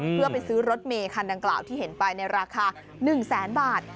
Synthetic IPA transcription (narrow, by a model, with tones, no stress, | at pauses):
pʰɯ˥˩ɐpa˧jsɯː˦˥ɾo˦˥t̪̚meː˧kʰa˧nda˧ŋklaː˨˩wt̪ʰiː˥˩he˩˦npa˧jna˧jɾaː˧kʰaː˧ | nɯ˨˩ŋsɛː˩˦nbaː˨˩t̪̚